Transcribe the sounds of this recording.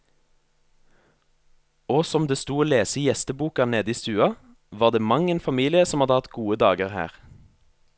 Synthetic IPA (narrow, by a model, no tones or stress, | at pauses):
oːsɔmd̪eːst̪uːoːleːsəjɛst̪əbuːkɑneːd̪əiːst̪ʉːɑ | ʋɑːʁd̪eːmɑŋənfɑmiːlɪəsɔmhɑd̪əhɑt̪ɡuːəd̪ɑːɡəʁhæ̰ːʁ